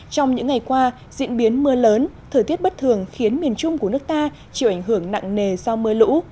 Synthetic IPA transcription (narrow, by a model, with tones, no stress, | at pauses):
t͡ɕɔ˧wŋ͡mɲɨ̰˧˥ŋːa˨˩jkwaː˧ | zḭ˧˥ənɓi˨˦ənmɨ˧ələː˨˦nt̪ʰəː˧˩jt̪i˦˥t̚ɓə˦˥t̚t̪ʰɨ˨˩əŋxi˨˦ənmi˨˩ənt͡ɕʊ˧ŋ͡mku˧˩ənɨ˦˥ək̚t̪aː˧ | t͡ɕi˧˩wʔa˧˩ŋɦɨ˧˩əŋna̰˧˨ŋne˨˩sa˧wmɨ˧əlṵ˧˥